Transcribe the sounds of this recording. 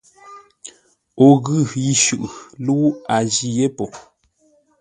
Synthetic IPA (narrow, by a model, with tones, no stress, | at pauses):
o˨ɣʉ˦˨ji˦˨ʃʉ˨ʔlu˦a˨d͡ʒi˦˨je˦po˨